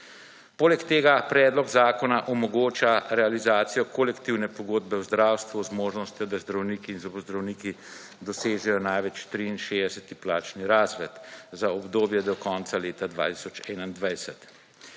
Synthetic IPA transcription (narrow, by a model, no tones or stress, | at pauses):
poːlɛkt̪eːɡapɾɛːd̪lɔɡzaːkɔnaʔɔmɔɡoːt͡ʃaɾɛalizaːt̪sijɔkolɛkt̪iwnɛpɔɡoːd̪̚bɛwzd̪ɾaːwst̪ʋuɔzmoːʒnɔst̪jɔd̪azd̪ɾawniːkiːnzɔbɔzd̪ɾawniːki | d̪ɔseːʒɛjɔnajʋɛt͡ʃt̪ɾiːnʃeːd̪ɛsɛt̪iplaːt͡ʃniɾaːzʋɛt̪zaɔbd̪oːbjɛd̪ɔkɔːnt̪saleːt̪ad̪ʋa̰ːt̪i̥sɔt͡ʃɛnand̪ʋajsɛt̪